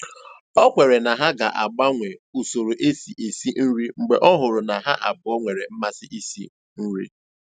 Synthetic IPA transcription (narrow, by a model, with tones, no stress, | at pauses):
ɔ˦kʷe˨ɾe˨na˨ɦa˦ɡa˨ʔa˨ɡ͡ba˦ŋʷe˨u˨so˨ɾo˨ʔe˦si˨ʔe˨si˦n̩˦ɾi˦ŋ͡m̩˨ɡ͡be˨ʔɔ˦ɦʊ˨ɾʊ˨na˨ɦa˦ʔa˨bʊ˨ɔ˦ŋʷe˨ɾe˨m̩˦ma˦sɪ˦ʔi˦sḭ˦ | n̩˦ɾḭ˦